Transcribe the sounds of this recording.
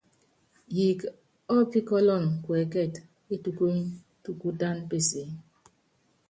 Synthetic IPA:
ji˨k | ɔ˦pi˦kɔ˦lɔ˦˨nkwɛ˨kɛ˦˨t | e˦tu˨ko˦ | tu˨ku˦da˦npe˨se˨˦

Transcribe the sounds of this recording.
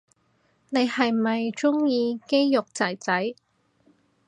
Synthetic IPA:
ne˨˧jhɐ˨jmɐ˨jt͡ʃʊ˥ŋjiː˧ke˥jjʊ˨k̚t͡sɐ˨˩jt͡sɐ˨˥j

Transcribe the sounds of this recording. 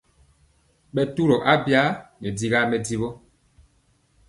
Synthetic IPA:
ɓɛ˨tu˦ɾo˨ʔa˦bja˦ɲɛ˨di˨ɣa˦mɛ˨di˦βo˦

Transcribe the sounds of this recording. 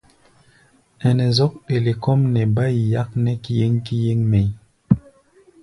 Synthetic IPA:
ɛ˨nɛ˨zɔ˦k̚e˨le˨kɔ˦mnɛ˨ba˦i˨ja˦k̚nɛ˦ki˦je˦ŋki˦je˦ŋmɛ˨j

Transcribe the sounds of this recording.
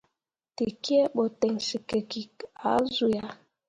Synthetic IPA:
ti˨ki˦ɛ˦ɓɔ˨tɛ˨ŋsi˨ke˨ki˨ka̰˨˦zu˨ja˨

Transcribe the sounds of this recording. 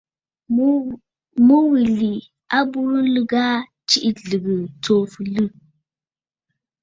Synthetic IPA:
mu˦wi˨li˨ | a˦bu˦ɾu˦n̩˦lɨ˦ɡa˦ | t͡ʃi˦ʔi˦ɮɨ˨ɡɨ˨t͡so˦fɨ˨lɨ˦

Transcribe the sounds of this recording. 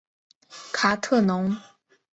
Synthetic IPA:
kʰa˨˩˦t̪ʰɤ˥˩nʊ˧˥ŋ

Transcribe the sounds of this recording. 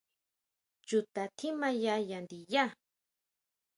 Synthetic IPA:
t͡ʃut̪a˨t̪ʰi˦ma˦jajand̪i˨ja˦

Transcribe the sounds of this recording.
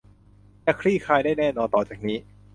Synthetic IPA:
na˦˥kʰɾiː˥˩kʰaː˧jdaː˥˩jnɛː˥˩nɔː˧nt̪ɔː˨˩t͡ɕaː˨˩k̚niː˦˥

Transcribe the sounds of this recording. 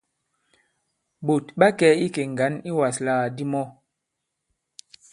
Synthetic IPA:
bo˨tɓa˦kɛ˦i˦ke˨ŋ˨ɡa˨˦ni˦wa˨slaː˦˨di˦mɔ˦

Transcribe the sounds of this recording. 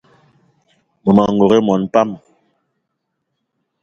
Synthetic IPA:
mo˨ma˨ŋɡo˨ɣe˦mɔ˨npa˦m

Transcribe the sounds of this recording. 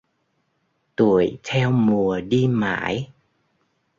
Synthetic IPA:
t̪u˧˩˨əjt̪ʰɛ˧wmu˨˩əɗi˧ma̰ː˧˩˥j

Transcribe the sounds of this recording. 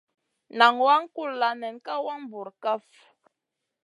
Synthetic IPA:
na˨ŋwa˦ŋ̩˦ku˦˨lla˨nɛ˨nka˦wa˦ŋ˦bu˨ɾka˦f

